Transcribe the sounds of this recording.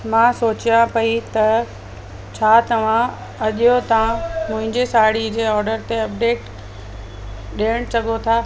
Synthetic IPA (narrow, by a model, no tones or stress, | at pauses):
mãsoːt͡ɕijãpɐit̪ɐ | t͡ɕʰaːt̪ɐʋ̤ã | ɐʄijot̪aãmʊ̃ɦɪ̃ɲd͡ʑesaːɽid͡ʑeːɔːɾɖəɾt̪eɐp̚ɖeːʈ | ɗijəɽ̃t͡ɕɐɠot̪ʰaː